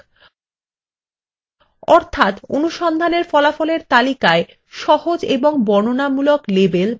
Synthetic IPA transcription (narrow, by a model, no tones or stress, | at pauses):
ɔɾt̪ʰat̪onuʃɔnd̪ʱaneɾfɔlafɔleɾt̪alikae | ʃɔhod͡ʑeboŋbɔnonamuloklebel